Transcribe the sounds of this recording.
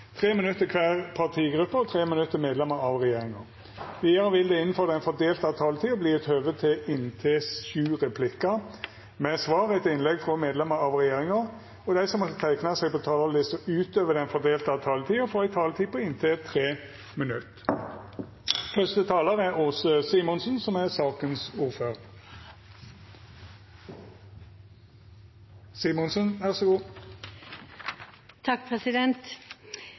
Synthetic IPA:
t̪ʰʁeːmɪnʉt̪ːəkʰʋæːʁpʰɑt̪ʰiːɡɾʉpːəɔt̪ʰʁeːmɪnʉt̪ːəmeːd̪lɛməɾɑʋʁɛjeːʁɪŋɑʁ | ʋiːəɾəʋɪld̪ɛɪnːn̩fɔːʁd̪ɛɪnfɔd̪eːlt̪ɑt̪ʰɑːlət̪ʰiːɔbliːɛt̪høːʋət̪ʰɪɪnt̪ʰesʉːʁɛpʰlɪkːɑ | mɛsʋɑːʁɛt̪ɪnlɛɡfʁɔmeːd̪lɛməɾɑʋʁɛjeːʁɪŋɑ | ɔd̪æɪsɔmɔt̪ːət̪ʰæɪknɑsɛɡpɔt̪ʰɑːlɑɪsɔʉːt̪øːʋəd̪ɛnfɔd̪eːlt̪ɑʋt̪ʰɑːlət̪ʰiːɔfoːɪt̪ʰɑːlt̪ʰiːpʰɔɪnt̪ʰet̪ʰʁeː | mənʉt̪ː | fœst̪ət̪ʰɑːləʁæʁusəsiːmɔnsnsɔmɛʁsɑːkənsuːʁføːʁ | siːmɔnsənʋæʁsɔɡuː | t̪ʰɑk̚ːpʰɾɛsɪd̪ɛnt̪

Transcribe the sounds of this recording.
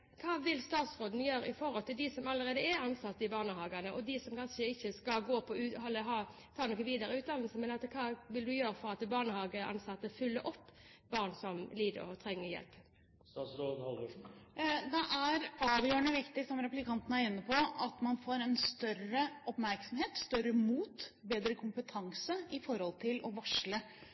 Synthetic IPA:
kʰɑːʋɪlst̪ɑːt̪sɾoːd̪n̩jøːɾəɪfɔɾhɔlt̪ʰɪld̪ɪsɔmɑləʁeːd̪əɛɾɑnsɑt̪ːəɪbɑːʁnəɦɑːɡɑnəʔɔd̪ɪsɔmkʰɑnʂəɪçːəskɑlɡoːpʰɔʉːhɔlːəɦɑː | t̪ʰɑːnɔkːəʋiːd̪əɾəʉːt̪d̪ɑnəl̩səmɛnɑt̪kʰɑːʋɪld̪ʉjøːɾəfɔɾɑt̪bɑːʁnəhɑːɡəʔɑ̰nsɑt̪ːəfʉlːə̰ʔɔpːbɑːʁnsɔmliːd̪ə̰ɾɔt̪ʰʁɛŋːəʁjɛ̰lp | sɑsloːənhɑlo | d̪ɛʔæɾɑːʋjøːɳəʋɪkt̪ɪsɔmɾɛplɪkʰɑnt̪nəæɾɪnːəpʰɔɑt̪mɑnfoːɾɛnst̪œɾəʔɔpmæɾksɔmheːt̪st̪œɾəmuːt̪beːd̪ɾəkʰʊmpət̪ʰɑŋsəɪfɔɾhɔlt̪ʰɪlʔɔʋɑʂlə

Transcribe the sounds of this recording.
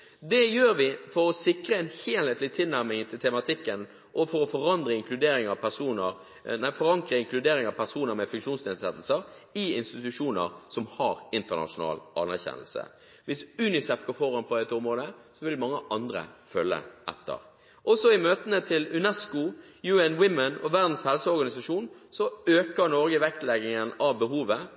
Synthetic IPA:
d̪ɛjøːɾʋɪfɔɾɔsɪkɾəɛnheːlheːt̪lɪt̪ʰɪlnæɾmɪŋt̪ʰɪlt̪ʰɛmɑt̪ʰɪkːən | ʔɔfɔɾɔfɔɾɑnd̪ɾəɪŋkʰlʉd̪eːɾɪŋɑʋpʰæsuːnə | næɪfɔɾɑŋkɾəɪŋklʉd̪eːɾɪŋɑʋpʰæsuːnəɾmɛfʉŋkʂuːnsneːd̪sɛt̪l̩səɾɪɪnst̪ɪt̪ʉʂuːnəɾsɔmhɑɾɪnt̪ənɑ̰ʂʊnɑ̰ːlʔɑnːæɾçɛ̰nəl̩sə̰ | ʋɪsʉnɪsɛfkɔfɔɾhɑnpʰɔd̪ɛt̪əʊmʁoːd̪əsɔʋɪlmɑŋːəʔɑnd̪ɾə̰fœlːə̰ʔɛ̰t̪ʰːə̰ʁ | ʔɔsɔɪmøːt̪ənət̪ʰɪlʉnɛskʊ | jʉɛnwɪmənɔʋæʁd̪n̩shɛlsəɔɾɡɑnɪsɑʂuːnsɔøːkəɾnɔɾɡəʋɛkt̪lɛɡɪŋənɑʋbəɦuːʋə

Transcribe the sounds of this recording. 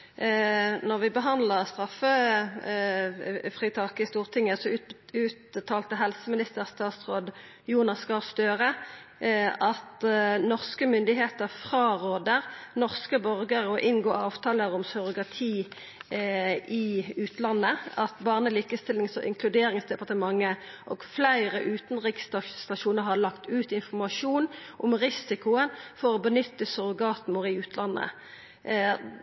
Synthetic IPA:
nɔʁʋɪbəɦɑnd̪ləʁst̪ʁɑfːə | fʁiːt̪ʰɑkɪst̪uːʁt̪ʰɪŋːəsɔʉːt̪t̪ʰːɑːlt̪əɦɛlsəmɪnɪst̪əʁst̪ɑːt̪sʁoːd̪ | juːnɑskɑst̪øːʁə | ʔɑt̪nɔʁskəmʏnd̪ɪɦeːt̪əʁfʁɑːʁoːd̪əʁnɔʁskəbœʁɡəʁɔʔɪnɡoːɑːʋt̪ʰɑːləʁɔmsœʁʊɡəʁt̪ʰiː | ɪʉːt̪ʰlɑnːəɑt̪bɑːʁnəliːkəst̪ɪlɪŋsɔʔɪ̰ŋkʰlʉd̪eːʁɪŋsd̪ɛpɑʁt̪əmɑŋːə | ʔɔɡ̥flæɪʁəʔʉːt̪nʁɪkst̪ɑt̪ɑʃuːnəʁɦɑlɑkt̪ʉːt̪ɪnfɔʁmɑʂuːnʔɔmʁɪsɪkʊənfɔʁɔbənʏt̪ːəsʊʁʊɡɑːt̪mʊʁɪʉːt̪ʰlɑnːə̰

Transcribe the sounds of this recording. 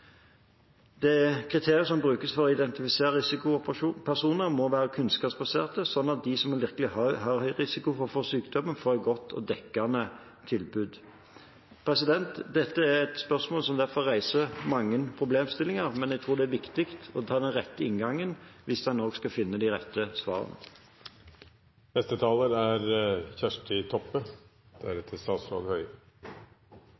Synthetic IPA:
d̪̥ɛkʰʁɪt̪ʰeːʁɪəs̬ɔmbʁʉːkəsfɔɾɔɪd̪ɛnt̪ɪfɪseːɾəɪsɪkʊʊpːpʰæʁʂuːnəɾmɔʋæːɾəkʰʉnskɑːpsbɑseːʁt̪əsɔnːɑt̪̚d̪ɪsɔmɛnʋɪʁkəlɪhœhɑɾhœʏʁɪsɪkʊfɔfɔːsyːkd̪ɔmənfoːɾæɛt̪̚ɡɔt̪ʰːɔ̰d̪ɛkːɑnə | t̪ʰɪlbʉd̪ | pʰɾɛsɪd̪ɛnt̪d̪ɛt̪ːəæɾɛt̪spœʁsmoːlsɔmd̪æʁfɔːæɪsəmɑŋːənpʰʁʊbleːmst̪ɪlɪŋəʁmɛnæɡ̚t̪ʰɾuːʁd̪ɛæɾʋɪkt̪ɪkt̪ɔt̪ʰɑːd̪ɛnʁɛt̪ːəɪnɡɑŋːənʋɪsd̪ɛnnɔːɡskɑfɪnːəd̪iːɾɛt̪ːəsʋɑ̰ːʁə̰n̰ | nɛst̪ət̪ʰɑːləɾæɾçæʂʈɪt̪ʰɔpːə | d̪̥æɾɛt̪ʰəst̪ɑːt̪sflɑ̰ɡ̪hœʏ

